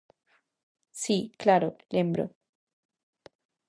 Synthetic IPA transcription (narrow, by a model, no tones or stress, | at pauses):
siklaɾoljembɾo̰